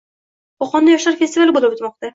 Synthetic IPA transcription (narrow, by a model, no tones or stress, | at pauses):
ɒqʰɒnd̪ajɒʃlaɾfest̪ɪvalbolabʊt̪mɒq̚t̪a